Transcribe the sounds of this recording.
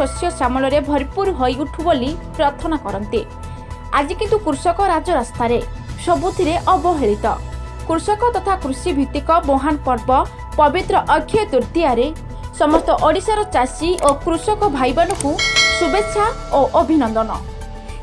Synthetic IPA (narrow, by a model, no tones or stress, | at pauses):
osjɔsamɔlɔɾebʱɔɾipuɾɦojuʈʰubolipɾaɾt̪ʰɔnakɔɾɔnt̪i | a̰d͡ʒikint̪ukɾusɔkɔɾad͡ʒɔɾast̪ʰaɾe | sɔbut̪ʰiɾeʔɔbɔɦeɭit̪ɔ̰ | kɾusɔkɔt̪ɔt̪ʰakɾusibʱit̪ikɔmoɦanpɔɾbɔ | pɔbit̪ɾɔʔɔɡʱʰjɔt̪uɾt̪iaɾe | sɔmɔst̪ɔʔɔɽisaɾɔt͡ʃasiʔokɾusɔkɔbʱajbɔnɔkusubett͡ʃʰaoʔobʱinɔnd̪ɔnɔ